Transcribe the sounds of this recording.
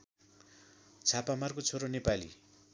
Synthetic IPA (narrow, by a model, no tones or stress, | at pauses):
t͡sʰapamarkot͡sʰoɾonepalḭ